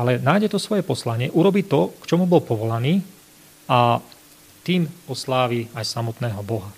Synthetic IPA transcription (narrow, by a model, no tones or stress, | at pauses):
alɛnaːjɟɛt̪ɔsʋɔjɛpɔslaɲɪɛʔuɾɔbiːt̪ɔkt͡ʃɔmubɔlpɔʋɔlaniː | a | t̪iːmɔslaːʋiajsamɔt̪nɛːɦɔbɔɦa